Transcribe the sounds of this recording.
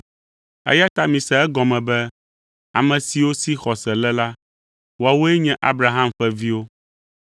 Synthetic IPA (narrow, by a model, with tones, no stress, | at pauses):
ɛ̰˦ja˦t̪a˦mĩ˨sɛ˨ɛ˦ɡɔ˨mɛ̃˨bɛ˦ | a̰˨mɛ̃˨si˨wo˦si˦xɔ˨sɛ˨lɛ˦la˦ | wo˦a˨wo˦ɛ˦ɲɛ̃˦ʔa˦bɾa˨ɦa˦mɸɛ˦vi˦wo˦